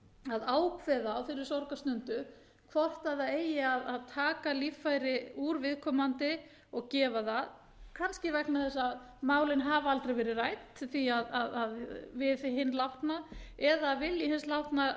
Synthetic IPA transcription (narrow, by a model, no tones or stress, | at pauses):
aðaːwkʰvɛðaːwθɪɾɪɾ̥sɔwɾkast̪ʏnt̪ʏ | kʰvɔr̥t̪aðaeːjɪaðaðt̪ʰaːkalifːajɾɪuɾvɪðkʰɔːmant̪ɪ | ɔɣcɛːvaðað | kʰanscɪvɛknaθɛsːað | maːwlɪnɦavaalt̪ɾejvɛːɾɪraːj̪t̪θiaðaðaðvɪðθɪɦɪnːlawht̪naɛðavɪljɪɦɪnslawht̪na